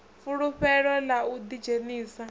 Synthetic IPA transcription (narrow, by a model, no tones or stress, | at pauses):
fuɺuɸɛɺɔlaud̪id͡ʒeniːsa